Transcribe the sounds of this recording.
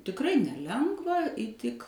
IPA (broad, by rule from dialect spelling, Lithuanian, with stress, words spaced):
tʲɪkˈrɐɪ nʲɛˈlʲɛŋɡʋɐ iːˈtʲɪk